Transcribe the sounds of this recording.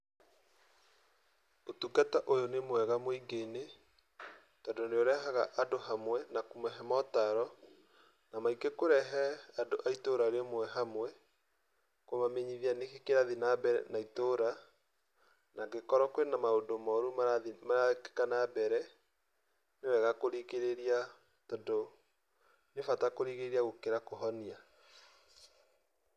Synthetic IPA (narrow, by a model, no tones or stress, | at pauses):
otukataʔojonemowɛɣamoiɡene | tɔdoneoɾɛɦaɣaʔadoɦamwɛnakumɛɦɛmɔtaɾɔ | namaikekoɾɛɦɛadoʔaitoɾaɾemwɛɦamwɛ | kwomameɲiðianekekeɾaðinabɛnaitoɾa | naɡekɔɾɔkwenamaodomɔɾumaaimaake̥kanabɛɾɛ | newɛɣakoɾiɣeɾeɾia | tɔdo | nefatakoɾiɣeɾiaɣokeɾakoɦɔnia